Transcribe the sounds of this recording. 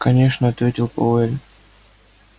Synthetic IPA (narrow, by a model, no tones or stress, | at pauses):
kɐnʲeʂnəɐt̪vʲetʲɪlˠpoɛlʲ